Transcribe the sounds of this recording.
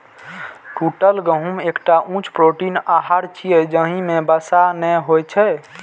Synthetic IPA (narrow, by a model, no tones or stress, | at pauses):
kuʈəlɡəɦumekʈaʔũt͡ʃʰpɾoʈinaɦaɾt͡ʃʰijɛd͡ʒəɦĩmebəsanɛɦojt͡ʃʰɛ